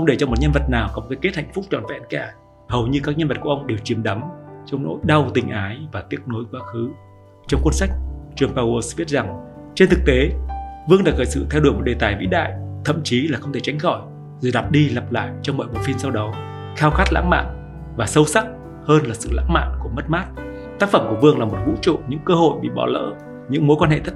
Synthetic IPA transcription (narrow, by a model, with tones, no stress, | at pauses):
xə˧wŋ͡mɗe˧˩t͡ɕɔ˧mo˨˩t̚ɲə˧nvə˨˩t̚naː˨˩wkɔ˨˦o˨˩kaː˨˦jke˦˥t̚ha̰˧˨jŋ̟fʊ˦˥k͡p̚t͡ɕɔ˨˩nvɛ̰˧˥nkaː˧˩ | hə˨˩wɲɨ˧ka˦˥k̚ɲə˧nvə˨˩t̚kʔə˧wŋ͡mɗe˨˩wt͡ɕi˨˦əmɗa˨˦mt͡ɕɔ˧wŋ͡mno̰˧˥jɗa˧wt̪ï˨˩ŋ̟ʔaː˨˦jvaː˨˩t̪i˦˥ət̚no˨˦jkwaː˨˦xɨ˨˦ | t͡ɕɔ˧wŋ͡mkwə˧nsa˦˥k̟̚t͡ɕɨ˨˩əŋpaː˧wo˧svi˦˥ət̚za˨˩ŋt͡ɕe˧nt̪ʰɨ˨˩k̚t̪e˨˦vɨ˧əŋnɗaː˧˩ɣəː˧˩jsɨ̰˧˨t̪ʰɛ˧wɗu˧˩əjmo˨˩t̚ɗe˨˩t̪aː˨˩jvḭ˧˥ɗa̰ː˧˨jt̪ʰə̰˧˨mt͡ɕi˨˦laː˨˩xə˧wŋ͡mt̪ʰe˧˩t͡ɕa˨˦jŋ̟xɔ˧˩j | zɨː˨˩ɗa˨˩p̚ɗi˧lə˨˩p̚la̰ː˧˨jt͡ɕɔ˧wŋ͡mɓɔ̰˧˨jɓo˨˦fi˧nsa˧wɗɔ˨˦w | xaː˧wxaː˦˥t̚la̰ː˧˥ŋma̰ː˧˨n | vaː˨˩sə˧wsa˦˥t̚ | həː˧nlaː˨˩sɨ̰˧˨la̰ː˧˥ŋma̰ː˧˨nku˧˩əmə˦˥t̚maː˦˥t̚ | t̪aː˦˥k̚fə˧˩mku˧˩əvɨ˧əŋlaː˨˩mo˨˩t̚hṵ˧˥t͡ɕṵ˧˨ɲɨ̰˧˥ŋkəː˧ho̰˧˨jɓḭ˧˨ɓɔ̰˧˩lə̰ː˧˥ | ɲɨ̰˧˥ŋmo˨˦jkwa˧nhḛ˧˨t̪ʰə˦˥